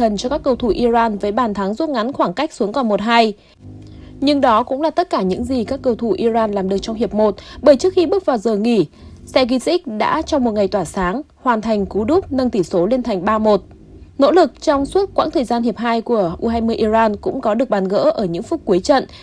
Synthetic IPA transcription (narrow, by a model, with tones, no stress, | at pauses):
ə˨˩nt͡ɕɔ˧kaː˦˥kːə˧wt̪ʰu˧˩ʔi˧zaː˧nvəː˨˦jɓaː˧˩nt̪ʰa˨˦ŋzu˦˥t̚ŋa˨˦nxwaː˧˩ŋka˦˥k̚su˨˦əŋkɔ˨˩nmo˨˩t̚ɦaː˧j | ɲɨ˧ŋɗɔ˨˦kʊ̰˧˥ŋ͡mlaː˨˩t̪ə˦˥t̚kaː˧˩ɲɨ̰˧˥ŋzi˨˩kaː˦˥kːə˧wt̪ʰu˧˩ʔi˧zaː˧nlaː˨˩mɗɨ˨˩ək̚t͡ɕɔ˧wŋ͡mhi˨˩əp̚mo˨˩t̚ɓəː˧˩jt͡ɕɨ˦˥ək̚xi˧ɓɨ˦˥k̚vaː˨˩wzəː˨˩ŋi˧˩sɛ˧ɣi˧si˦˥k̚ɗa̰ː˧˥t͡ɕɔ˧wŋ͡mmo˨˩t̚ŋa˨˩jt̪waː˧˩saː˨˦ŋhwaː˨˩nt̪ʰa˨˩jŋ̟ku˨˦ɗu˦˥k͡p̚nə˧ŋt̪i˧˩so˨˦li˧nt̪ʰa˨˩jŋ̟ɓaː˧mo˨˩t̚ | no̰˧˥lɨ˨˩k̚t͡ɕɔ˧wŋ͡mswu˦˥t̚kwa̰ː˧˥ŋt̪ʰəː˨˩jzaː˧nhi˨˩əp̚ɦaː˧jku˧˩əʔu˧ɦaː˧jmɨ˧əjʔi˧zaː˧nkʊ̰˧˥ŋ͡mkɔ˨˦ɗɨ˨˩ək̚ɓaː˨˩nɣə̰ː˧˥ʔəː˧˩ɲɨ̰˧˥ŋfʊ˦˥k͡p̚kːu˨˦əjt͡ɕə̰˧˨n